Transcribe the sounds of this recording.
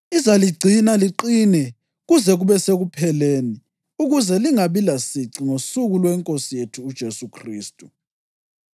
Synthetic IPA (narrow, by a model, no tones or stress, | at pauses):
izaliɡ͡ǀʱinaliǃinɛ | ɣuzɛɣuβɛseɣupʰɛleːni | uɣuzɛliŋaβilasiǀiŋosuɣulwɛŋkʼosijetʰuːd̥ʒ̥ʱesukʰriːstʼu